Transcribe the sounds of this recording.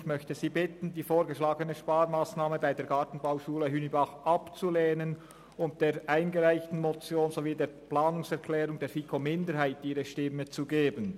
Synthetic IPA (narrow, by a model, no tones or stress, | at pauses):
çmœçtəziːbɪtən̩diːfoːɾɡəʃlaːɡənəʃpaːɾmaːsnaːməbaɪdeːɡɑːtn̩baʊʃuːləɦyːnibɑχʔɑpt͡suleːnən | ʊnt̚d̥eːʔaɪnɡəʁaɪçtn̩mot͡sjoːnzoviːdeːɐplaːnʊŋsɛʁkʰlɛːʁʊŋdeːfikʰomɪndəɾhaɪtiːʁəʃtɪmːət͡suɡeːbən